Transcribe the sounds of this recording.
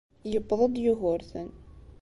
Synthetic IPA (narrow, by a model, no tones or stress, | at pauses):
jəbðˤəd̪ˤjʊɦʊɾθən